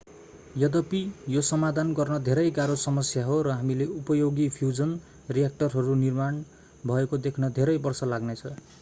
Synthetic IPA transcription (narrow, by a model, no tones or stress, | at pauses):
jʌd̪ʌpijosʌmad̪ʱanɡʌrnʌd̪ʱeɾʌjɡaɾosʌmʌsjaɦoɾʌɦamileupʌjoɡipʰjud͡zʌn | rijak̚ʈʌrɦʌɾunirman | bʱʌekod̪ekʰnʌd̪ʱeɾʌjbʌrsʌlaɡnet͡sʰʌ